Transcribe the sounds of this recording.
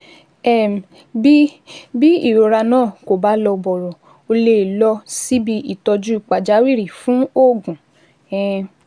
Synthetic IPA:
ɛ˦˨m˨ | bi˦bi˦i˦˨ɾo˨ɾa˧nãː˦˨ko˨ba˨˦lɔ˧bɔ˨ɾɔ˨ | o˧le˦˨lɔ˧si˦bi˧ʔi˨tɔ˧d͡ʒu˦i˨k͡pa˨d͡ʒa˨˦wi˦˨ɾi˨fũ˨˦o˦˨ɡũ˨ | ɛ̃˦˧

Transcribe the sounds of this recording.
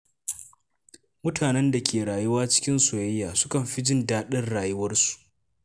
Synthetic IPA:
mʊ˦tʰaː˨nɛ˦nda˨kʲeː˨ɾaː˨jʊ˦waː˦t͡ʃɪ̥˦kʲɪ˦nso˨jɐ˦jːaː˨sʊ̥˦kɐ˨mɸi˦d͡ʒɪ˦ndaː˦ɗɐ˦rɽaː˨jʊ˦wɐ˦rsu̥˨ʔ

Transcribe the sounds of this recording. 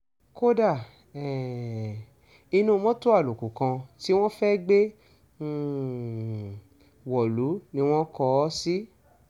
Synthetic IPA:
ko˦da˦˨ | ɛ˨ | i˧nũ˦˧˦mɔ̃˦to˦a˦˨lo˨ku˨kã˧ti˦w̃ɔ̃˦fɛ˦ɡ͡bẽ˦˨ | wɔ˨lu˨˦nĩ˧˦w̃ɔ̃˦kɔ˧˦si˦

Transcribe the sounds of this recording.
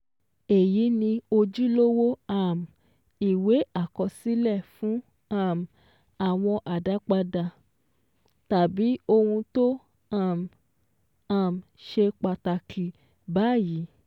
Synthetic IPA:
e˨ji˨˦nĩ˧o˧d͡ʒi˦lo˦wo˦a˦˨m˨ | i˨we˨˦a˦˨kɔ˧si˨˦lɛ˦˨fũ˨˦ | a˦˨m˨ | a˨w̃ɔ̃˧ʔa˨da˨˦k͡pa˧da˧ | ta˨bi˨˦o˧hũ˧to˦ | a˦˨m | a˦˨m̩˨ʃe˧k͡pa˧ta˧kʰi˨ | ba˨˦˨ji˨˦

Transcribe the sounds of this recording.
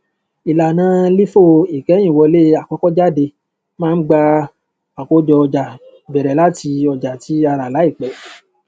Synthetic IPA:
i˨la˨nãː˨˦li˦fo˦˨i˨kɛ˨˦j̃ĩ˦˨wɔ˧le˦a˨kɔ˧˦kɔ˦d͡ʒa˦˨de˧ | mãː˦˧n̩˦ɡ͡ba˧ | a˨ko˨˦d͡ʒɔ˧ɔ˧d͡ʒa˨ | bɛ˨ɾɛ˨la˦ti˧ɔ˧d͡ʒa˨ti˨˦a˧ɾa˨la˨˦i˦˨k͡pɛ˨˦

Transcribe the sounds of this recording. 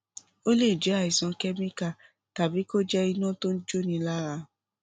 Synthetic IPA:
o˦le˦˨d͡ʒɛ˨˦a˦˨i˨sã˨˧kɛ˦mĩ˦ka˦˨ | ta˨bi˨˦ko˦d͡ʒɛ˦i˧nã˦˨to˦n̩˦d͡ʒo˦nĩ˧la˦ɾa˧

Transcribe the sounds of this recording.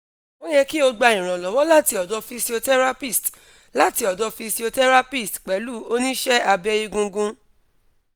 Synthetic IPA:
ɔ̃˦jɛ˧ki˦o˧ɡ͡ba˧ĩ˨ɾ̃ã˨lɔ˨wɔ˨˦la˦ti˧ɔ˨dɔ˧fi˧si˧o˧tɛ˦ɾa˦pi˦˨st | la˨˦ti˧˦ɔ˨dɔ˨˧fi˧si˧o˧tɛ˦ɾa˦pi˦˨stk͡pɛ˨˦lu˦o˦nĩ˦ʃɛ˦a˧bi˦ɛ˧ji˧ɡũ˧ɡũ˧

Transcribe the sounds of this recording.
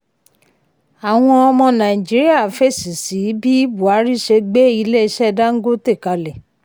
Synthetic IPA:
a˨w̃ɔ̃˧ɔ˧mɔ̃˧nã˨i˨d͡ʒi˨˦ɾi˦a˦˨fe˦˨si˨si˨˦bi˦bu˨a˨˦ɾi˦ʃe˧ɡ͡be˦i˧le˦i˧ʃɛ˦˧da˦ŋ̩˦ɡo˦te˦˨ka˨˧lɛ˨

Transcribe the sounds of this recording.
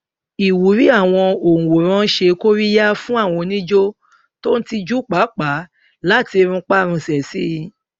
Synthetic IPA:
i˨wu˨˦ɾi˨˦a˦˨w̃ɔ̃˧o˨ũ˨wo˨ɾ̃ã˦ʃe˧ko˦ɾi˦ja˦fũ˦a˦˨w̃ɔ̃˧nĩ˦d͡ʒo˦ | to˦n̩˦ti˧d͡ʒu˦k͡pa˨˦k͡pa˨˦ | la˦˨ti˧ɾ̃ũ˧k͡pa˦˨ɾ̃ũ˧sɛ˨si˦˧

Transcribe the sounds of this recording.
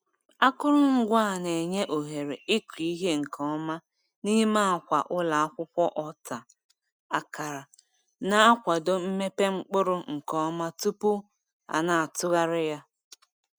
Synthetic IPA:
a˦kʊ˦ɾʊ˦ŋ̩˦ɡʷa˦˨ne˨ɲe˦ʔo˨ɦe˨ɾe˨ɪ˦kʷi˨˦ɦe˦ŋ̩˨kʰɔ˦ma˦ | ni˦ɦi˦ma˦˨kʷa˨ʔʊ˦la˨a˦kʷʊ˦kʷɔ˦ʔɔ˨ta˨ | a˨ka˨ɾa˨ | na˨a˦kʷa˨do˦m̩˦me˦pe˦ŋ͡m̩˦k͡pʊ˦ɾʊ˦ŋ̩˨kɔ˦ma˦tu˦pʊ˦ | a̰˨na˨a˨tʊ˦ɣa˦ɾɪ˦ja˦

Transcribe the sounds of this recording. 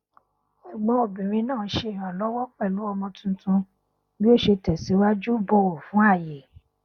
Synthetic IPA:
ɛ˨ɡ͡bɔ̃˨˦o˨bĩ˨ɾ̃ĩ˧nãː˦˨˦ʃe˧˦i˨ɾ̃ã˨lɔ˨˦wɔ˦k͡pɛ˦˨lu˨˦ɔ˧mɔ̃˧tũ˧tũ˧ | bi˦o˦˨ʃe˧tɛ˨si˨˦wa˦d͡ʒu˦bo˧˨o˨fũ˨˦a˦˨je˨

